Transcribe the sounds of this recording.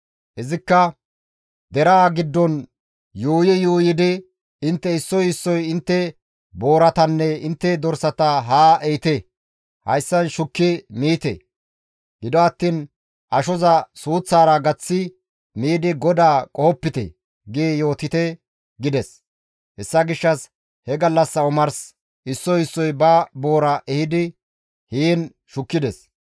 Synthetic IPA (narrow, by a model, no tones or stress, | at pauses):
ʔɪzɪkːɐ | d̪ɛɾaːɡɪd̪ːɔn | juːjɪjuːjɪd̪ɪ | ɪnt̪ːɛɪsːɔjɪsːɔjɪnt̪ːɛ | boːɾɐt̪ɐnːɛɪnt̪ːɛd̪ɔɾsɐt̪ɐɦaːɛjt̪ɛ | hɐ̰jsːɐnʃʊkːɪmiːt̪ɛ̰ | ɡɪd̪ɔɐt̪ːiːn | ʔɐʃɔzɐsuːt͡sːaːɾɐɡɐt͡sːɪ | miːd̪ɪɡɔd̪aːkʼɔhɔpːɪt̪ɛ̰ | ɡiːjo̞ːt̪ɪt̪ɛ | ɡɪd̪ɛs | hɛsːɐɡɪʃːɐs | hɛɡɐlːɐsːɐʊmɐɾs | ɪsːɔjɪsːɔjbɐbo̞ːɾɐʔɛhɪd̪ɪ | hiːn | ʃʊkːɪd̪ɛs